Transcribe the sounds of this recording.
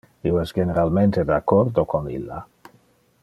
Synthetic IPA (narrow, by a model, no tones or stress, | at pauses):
ioɛsɡeneɾalment̪ed̪eakːoɾd̪okʰonḭlːa̰